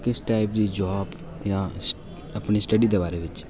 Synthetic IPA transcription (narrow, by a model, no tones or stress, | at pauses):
kɪsʈaːɪpd̪id͡ʒɔːb | jãs | ɐpnisʈɐɖid̪eʋaːɾeʋɪt͡ʃ